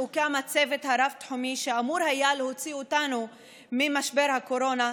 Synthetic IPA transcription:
ukamat͡se̞vet̪haɾaft̪ħumiʃeamuɾhajalho̞t͡siot̪anu | mimaʃbe̞ɾhako̞ɾo̞na

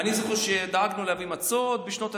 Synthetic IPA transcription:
anizoχeʃed̪aaɡnuleavimat͡sod̪̚beʃno̞t̪a

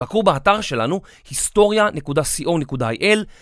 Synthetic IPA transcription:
akubeataʁʃe̞lanu | histo̞ʁjanekudasiʔo̞nekudaajʔe̞l

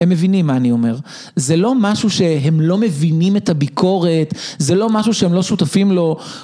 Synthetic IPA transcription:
emːevinimːaːnio̞me̞ʁ | zelo̞maʃuʃe̞ɦemlo̞mevinimetabikʰo̞ʁe̞tzelo̞maʃuʃeemlo̞ʃut̪afimlo̞

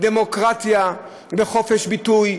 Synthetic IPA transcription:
d̪emokʁat̪ja | beχofeʃbit̪uj

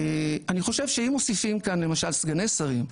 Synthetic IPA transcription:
aniχo̞ʃe̞vʃeimo̞sifimkanle̞maʃalsɡanesaʁim

